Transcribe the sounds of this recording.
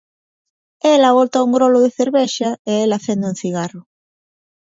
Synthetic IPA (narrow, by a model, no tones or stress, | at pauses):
elaβolt̪auŋɡɾolʊðeθeɾβeʃɐeelɐθend̪uŋθiɣarʊ